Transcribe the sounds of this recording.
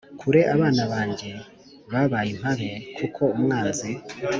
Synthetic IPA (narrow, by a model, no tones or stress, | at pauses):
kʰuɾe̞ʔaβaːnaβaːɲɟe̞ | βaβajim̥haβe̞kʰukʰo̞umŋaːnzi